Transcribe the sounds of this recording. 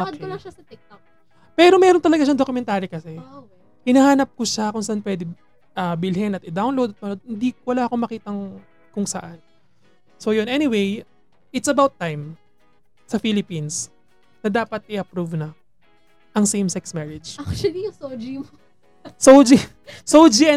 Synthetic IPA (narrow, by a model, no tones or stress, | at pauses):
ɐolɐʃɐsɐt̪ɪk̚t̪ok̚ | pɛːɾo̞mɛːɾont̪ɐlɐɡaʃɐŋd̪okʊmɛnt̪aːɾikɐsɛo | hɪnɐhaːnɐp̚koʃakʊŋsɐʔanpwɛːd̪ɪ | ʔɐbɪlhɛnɐt̪ɪd̪awnlowd̪ɐt̪̚mɐnod̪̚hɪnd̪iwɐlaːʔɐkomɐkiːt̪ɐŋ | kʊŋsɐ̰ʔan | so̞jonʔɛniwej | ɪt̪sɐbawt̪ːajm | sɐfilɪpins | nɐd̪aːpɐt̪̚ɪʔɐpɾuvnɐ | ʔɐŋsejmsɛksmɛɹɛd͡ʒakt͡ʃɐlijʊsowd͡ʒimo | sowd͡ʒi | sowd͡ʒiɐ